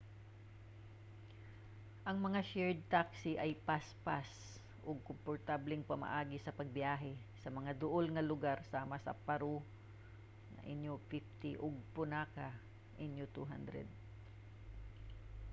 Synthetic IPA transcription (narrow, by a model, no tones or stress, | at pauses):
ʔɐŋmɐŋaʃɛɹd̪̚t̪aksiʔɐjpaspas | ʔʊɡ̚kʊmpoɹt̪ablɛŋpɐma̰ʔaːɡɪsɐpɐɡ̚bjaːɦɛ | sɐmɐŋad̪ʊʔolŋɐlʊɡaɾsamɐsɐ̰pɐɾo | nɐ̰ŋʔɪnjofɪft̪ɪʔoɡ̚pʊnaːka | ʔɪnjot̪ṵɦa̰nd̪ɾɛ̰d̪̚